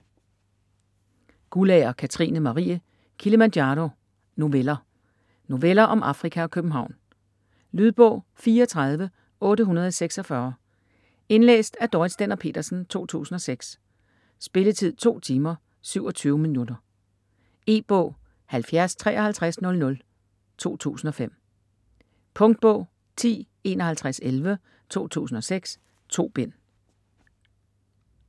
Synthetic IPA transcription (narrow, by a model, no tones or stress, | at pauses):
ɡ̥ulɛɐkʰæt͡sʰʁḭːnəmɑ̈ʁḭːæ | kʰiləmænd̥jɑɾo̝ | no̝ʋelɐ | no̝ʋelɐʔɒ̽mʔɑ̈fʁikʰæɒ̽kʰøb̥m̩ɦɑ̈ʊ̰n | lyðˠb̥ɔ̰̽ʊ̰ | fiːɐɒt͡sʰʁɑ̈ð̞ˠʋə | ɔ̽ːɾəɦunɐð̞ˠseɡ̥sɒ̽fɶɐ | e̝nlḛːsd̥æɐd̥ɒɪðˠsd̥enɐpʰe̝̰ːd̥ɐsn̩t͡sʰo̝̰ːt͡sʰṵːsn̩ɒ̽seɡ̥s | sb̥e̝lət͡sʰið̰ˠt͡sʰo̝̰ːt͡sʰiːmɐ | syʊ̰ɒ̽t͡sʰyːʊminudɐ | e̝̰ːb̥ɔ̰̽ʊ̰ | hælfjæɐst͡sʰʁɛ̰ːɒ̽hælt͡sʰʁasnɔ̽lnɔ̽l | t͡sʰo̝̰ːt͡sʰṵːsn̩ɒ̽fem̰ | pʰɔ̽ŋd̥̚b̥ɔ̰̽ʊ̰ | t͡sʰḭː | e̝nɒ̽hælt͡sʰʁaselʋə | t͡sʰo̝̰ːt͡sʰṵːsn̩ɒ̽seɡ̥s | t͡sʰo̝̰ːb̥en̰